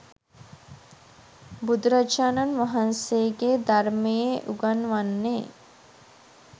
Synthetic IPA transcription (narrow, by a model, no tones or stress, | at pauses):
bud̪ɾat͡ʃaːnanʋaɦanseːɡed̪aɾmejeʔuɡanʋanːe